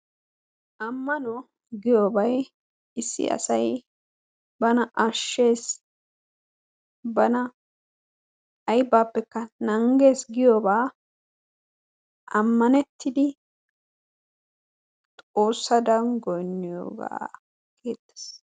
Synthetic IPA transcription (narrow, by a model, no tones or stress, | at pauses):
ʔɐmːɐnɔ | ɡɪjoːbɐj | ɪsːɪ̰ʔɐ̰sɐj | bɐnɐʔɐʃːe̞ːs | bɐnɐ | ʔɐjbːaːpːɛkːɐnɐŋɡe̞ːsɡɪjoːbaː | ʔɐmːɐnɛt̪ʰːɪd̪ɪ | tt̪ʼo̞ːsːɐd̪ɐnɡɔjnːɪjo̰ːɡa̰ː | ɡeːt̪ːe̥s